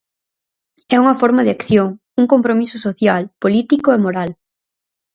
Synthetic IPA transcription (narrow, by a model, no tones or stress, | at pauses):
ɛuŋɐfɔɾmaðɪakθjoŋ | uŋkompɾomisʊsoθjalpolit̪ikʊɛmoɾal